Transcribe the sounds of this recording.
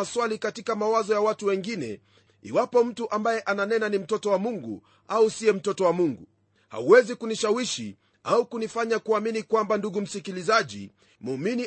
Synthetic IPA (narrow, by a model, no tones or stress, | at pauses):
aswalikatikamawazɔjawatuwɛŋɡinɛ̰ | ḭwapɔm̩tuʔambajɛʔananɛnanim̩tɔtɔwamuŋɡṵ | ausiɛm̩tɔtɔwamuŋɡu | ha̰uwɛzikuniʃawiʃi | aukunifaɲakuaminikwambanduɡum̩sikilizaʄḭ | mumini